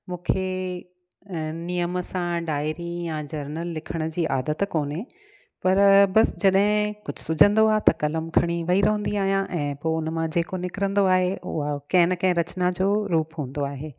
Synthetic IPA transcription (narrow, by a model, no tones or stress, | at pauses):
mũːkʰe | nijəmsãɖaːɪɾijãd͡ʑɐɾnəlːɪkʰəɽ̃ə̆d͡ʑiːʔa̰ːd̪ət̪koːne | pɐɾbɐsd͡ʑɐɗɦɪ̃kʊd͡ʑʱʊsʊd͡ʑʱə̃nd̪oaːɦet̪ɐkɐləmkʰɐɽ̃iʋɐiɾɐɦə̃nd̪iaːɦijãʔɛ̃ːpoːʊnmãd͡ʑeːkonɪkɪɾə̃nd̪oaːɦeʊ̰akɐ̃ɦɪ̃nəkɐ̃ɦɪ̃ɾɐt͡ɕnad͡ʑoːɾuːpɦũːə̃n̆d̪oaːɦeː